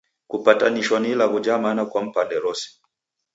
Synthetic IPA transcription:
kupataniʃwanilaɣud͡ʒamanakwam̩padɛɾɔsɛ̥

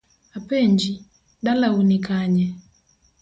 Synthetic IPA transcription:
apɛɲd͡ʒi | ɗalaunikaɲɛ

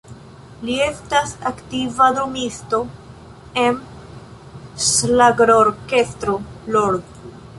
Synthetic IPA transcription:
lie̞stasaktivad̪ɾomisto̞ | em | slaɡɾooɾkestɾoloɾɡo

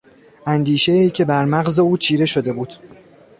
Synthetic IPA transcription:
ʔænd̪iːʃe̞iːcʰe̞bæɾmæɣze̞uːt͡ʃʰiːɾe̞ʃo̞d̪e̞buːd̪̥

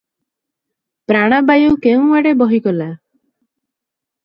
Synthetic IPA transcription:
pɾaɽ̃abajokew̃waɽebɔɦikɔla

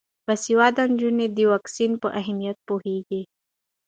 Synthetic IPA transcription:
bəsiwɑd̪and͡ʒuned̪iwaksinpəʔaɦmijat̪̚poɦeɡi

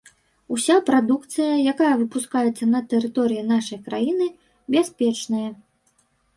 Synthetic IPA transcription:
usʲapɾad̪ukt̪sɨjɐjakajɐvɨpuskajɛt̪sːɐnɐt̪ɛɾɨt̪ɔɾɨjin̪aʂɐjkɾajinɨ | bʲasʲpʲɛt͡ʂnɐjɐ

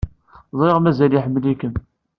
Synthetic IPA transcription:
ðˤeʁmæzæliħəmːlikəm

